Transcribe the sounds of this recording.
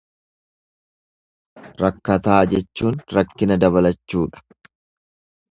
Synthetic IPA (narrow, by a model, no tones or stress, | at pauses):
ɾɐkːɐt̪aːd͡ʒɛt͡ʃːuːnɾɐkːɪnɐd̪ɐβɐlɐt͡ʃːuːᶑɐ̥